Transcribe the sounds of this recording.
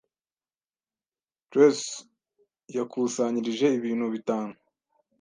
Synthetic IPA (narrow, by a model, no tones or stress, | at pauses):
tɾes | jakʰuːsaɲiɾiʒe̞iβiːnhuβitaːnu